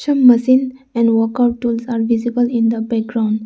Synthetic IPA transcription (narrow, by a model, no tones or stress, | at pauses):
ə̃mːəsĩnɛ̃ɳɖwɔkaʊʈ̚ʈːuːlsaːɾʋizibəlĩnd̪əbɛk̚ɡɾãʊ̃ɳɖ